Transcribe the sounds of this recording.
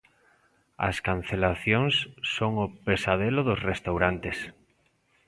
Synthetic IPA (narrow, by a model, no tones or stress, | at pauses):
ɐ̰skan̟θelaθjoŋsːoŋʊpesaðelʊðʊsrest̪awɾant̪es